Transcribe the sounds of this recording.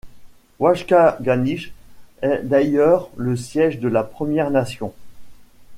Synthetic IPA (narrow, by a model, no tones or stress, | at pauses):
waʃkaɡaniʃɛd̪ajœʁləsjɛʒd̪əlapχəmjɛʁnasjɔ̃